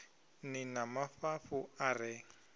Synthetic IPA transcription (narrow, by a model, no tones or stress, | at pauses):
nɪnamafafʊarɪ